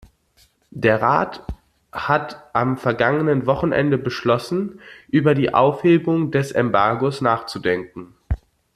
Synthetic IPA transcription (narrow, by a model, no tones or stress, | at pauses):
d̥eːɐʁa̰ːt | hatʔamfɛɐɡaŋənənvɔχn̩ʔɛ̰ndəbəʃlɔsn̩ʔyːbɐdiːʔa̰ʊfheːbʊŋdɛsɛmbaɐɡosnaːχt͡sudɛŋkŋ̩